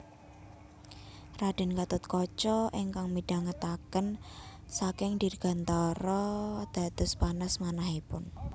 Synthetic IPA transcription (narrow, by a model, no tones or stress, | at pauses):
raɖ̥ɛ̤nkat̪ʊt̪̚kɔt͡ʃɔʔiŋkaŋmiɖ̥aŋət̪akənsakɪŋd̪̥i̤rɡ̥a̤nt̪ɔɾɔd̪̥a̤d̪̥ʊ̤spanasmanaɦipʊ̰n